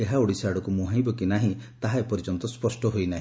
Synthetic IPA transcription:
eɦaoɽisaɽɔkumũɦãj̃bɔkinaɦĩt̪aɦaepɔɾid͡ʒɔnt̪ɔspɔsʈɔɦojnaɦĩ

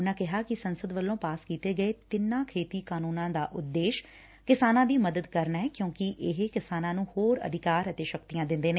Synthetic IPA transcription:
ʊnãːkɪɦaːkɪsənsəd̪ʋəlːõːpaːskiːt̪eːɡəeːt̪ɪnːãːkʰeːt̪iːkaːnuːnãːd̪aːʔʊd̪ːeːʃ | kɪsaːnãːd̪iːməd̪əd̪kəɾnaɛːkjõːkɪʔɪɦekɪsaːnãːnũːhoːɾə̰d̪ʱɪkaːɾət̪eːʃəkt̪ijãːd̪ɪ̃nd̪eːneː

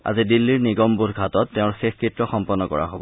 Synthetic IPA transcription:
a̰zidilːiɹniɡɔmbuɾɡʱatɔtːeʊ̃ɹxexkɹitɹɔxɔmpɔnːɔkɔ̰ɹa̰ɦobɔ

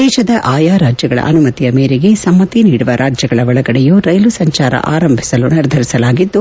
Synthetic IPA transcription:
d̪ɛːʃɐd̪ɐʔaːjaːɾaːd͡ʒjɐɡɐɭɐ̰ʔɐnumɐt̪ijɐmeːɾeɡe̞sɐmːɐt̪iniːɽuʋɐɾʔaːd͡ʒjɐɡɐɭɐʋɐɭɐɡɐɽɛjuːɾɐjlusɐɲt͡ʃaːɾɐ̰ʔa̰ːɾɐmbʱi̥sɐluniɾd̪ʱɐɾisɐlaːɡid̪ːu

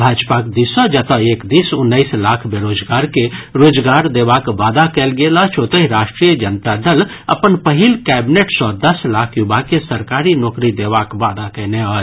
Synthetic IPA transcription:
bʱaːd͡ʒpakd̪isə̃d͡ʒət̪əeːkd̪isʊnːəɪslaːkʰbeɾoːd͡ʒɡaːɾkeɾoːd͡ʒɡaɾd̪ebakʋad̪akəlɡelat͡ʃʰot̪əɦiɾaːʃʈɾijəd͡ʒənt̪ad̪əl | əpənpəɦilkɛbineʈsɔ̃d̪əslakʰjubʱakesəɾkaɾinɔːkɾid̪eʋakʋad̪akəneɔ

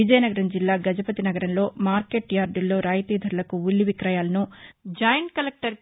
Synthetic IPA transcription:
id͡ʒɐjɐnɐɡɐɾɐnd͡ʒilːaːɡɐd͡ʒɐpɐt̪inɐɡɐɾɐnlo̞ːmaːɾkeʈjaːɾɖilːo̞ːɾaːjɐt̪iːd̪ʱɐɾɐlɐkuulːiʋikɾɐjaːlɐnud͡ʒɐːjɐɳʈkɐlek̚ʈɐɾ

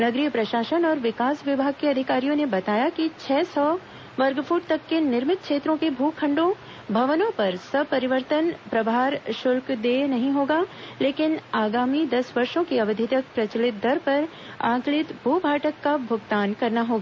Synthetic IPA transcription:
nɐɡɾiːpɾɐʃaːʃənɔːɾʋɪkaːsʋɪbʱaːɡ̚keɐd̪ʱɪkaːɾijõnebɐt̪aːjakit͡ʃʰɛːsɔː | ʋɐɾɡfʰuːʈ̚t̪ɐkːenɪɾmɪt̪̚kʃʰeːt̪ɾõkebʱuːkʰɐ̃ɳɖõ | bʱɐʋnõpɐɾsɐbpɐɾɪʋəɾt̪ənpɾɐbʱaːɾʃʊlkd̪eːnɐɦĩɦoːɡaːleːkɪnaːɡaːmid̪ɐsʋɐɾʃõkiɐbəd̪ʱɪt̪ək̚pɾɐt͡ʃəlɪt̪̚d̪ʱɐɾpɐɾ | ã̰ːklɪt̪bʱuːbʱaːʈəkːabʱʊɡt̪aːnkɐɾnaɦoːɡaː

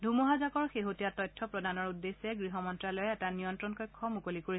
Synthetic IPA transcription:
dʱumɔɦazakɔɹxeɦotijatɔjtʰːɔpɹɔdanɔɹudːesɛɡɹiɦɔmɔntɹalojɛɛtanijɔntɹɔnkɔjkʰːɔmukolikoɹi

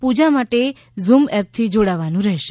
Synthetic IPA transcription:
pud͡ʒamaʈe | zumɛp̚t̪ʰid͡ʒoɽaʋanũɾɛɦʃe

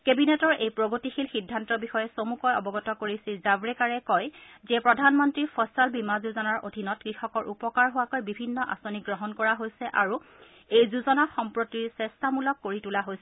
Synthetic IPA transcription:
kebinɛtɔɹʔejpɹoɡotixilxidʱːantɔbixɔjɛsomukɔjɔbɔɡɔtɔkoɹisilzabɹɛkaɹɛkɔjzɛpɹɔdʱanmɔntɹipʰɔsalbimazuzɔnaɹo̰dʱinɔtkɹixɔkɔɹʔupɔkaɹɦowakojbibʱinːɔʔa̰soniɡɹɔɦɔnkɔɹaɦojsɛʔa̰ɹu | ejzuzɔnaxɔmpɹotiɹsɛstamulɔkːoɹitulaɦojsɛ

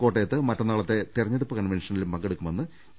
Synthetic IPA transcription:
ko̞ːʈːejɐt̪ːɨmɐʈːɐnːaːɭɐt̪ːe̞t̪irɐɲːeɽupːɐkɐnʋenʂɐnilumpɐŋɡeɽukːumʋɐnːɨ

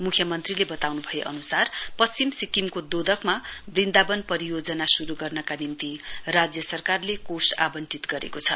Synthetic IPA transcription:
mukʰjʌmʌnt̪rilebʌt̪awnubʱʌjeʔʌ̰nusarpʌst͡simsikimkod̪od̪ʱʌkmabrind̪abʌnpʌɾijod͡zʌnasuɾuɡʌrnʌkanint̪irad͡zjʌsʌrkarlekosa̰bʌnt͡sit̪ɡʌɾḛkot͡sʰʌ̰

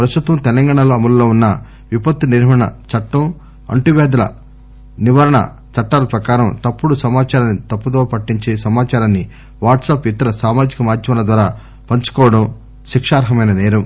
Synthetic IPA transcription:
pɾɐst̪ut̪ʋɐmt̪ɛlɐŋɡaːɳɐloːɐmɐllo̞ːunːɐ | ʋipɐt̪ːuniɾɦɐɐɳɐ̰t͡ʃɐʈːɐm | ɐ̰ɳʈiʋɛːd̪ɐlɐ̰ | niʋɐɾɐɳɐ̰ | t͡ʃɐʈːaːlɐpɾɐkaːɾɐmt̪ɐpːuɽusɐmaːt͡ʃaːɾaːnːit̪ɐpːut̪oːpɐʈːiɲt͡ʃeːsɐmaːt͡ʃaːɾaːnːi | ʋaːʈsaːpit̪ːɐɾɐsaːmaːd͡ʒikɐmaːd̪ʱjɐmɐlɐd̪ʋaːɾaː | pɐɲt͡ʃu̥kɔːʋɐɽɐm | ʃikʂaːɾɦɐmɐjnɐnɛːɾɐm

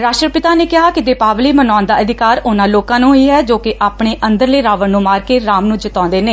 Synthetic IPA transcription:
ɾaːʃʈɾəpɪt̪aːneːkɪɦaːkɪd̪eːpaːʋliːmənɔːnd̪aːəd̪ɪkaːɾʊnãːloːkãːnũːɦiːɦɛːd͡ʒoːkɪʔaːpɳeːʔənd̪əɾleːɾaːʋəɽnũːmaːɾkeːɾaːmnũːd͡ʒɪt̪ɔ̃ːnd̪eːneː

